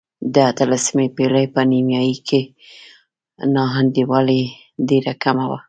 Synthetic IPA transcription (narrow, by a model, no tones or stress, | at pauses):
d̪əat̪əlasimepelajpənimjɑjikʰe | nɑɦand̪iwɑle | ɖeɾakamawa̰